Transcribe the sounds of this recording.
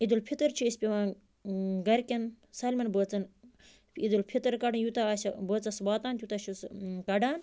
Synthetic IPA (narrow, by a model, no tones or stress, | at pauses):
id̪ulpʰit̪əɾt͡ʃʰisʲpʲeʋãː | ɡɐɾkʲɐn | sɐlʲmɐnbəːt͡sɐn | id̪ulpʰit̪əɾkɐɖɨnjut̪aɐsɐbəːt͡sɐsbaːt̪aːnt̪jut̪aʃʰuskɐɖaːn